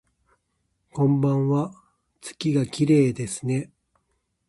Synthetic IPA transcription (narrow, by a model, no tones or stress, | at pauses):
kõ̞mbãɰ̃βa | t͡sɨ̥kʲiɡakʲiɾe̞ːd̪e̞sɨ̥ne̞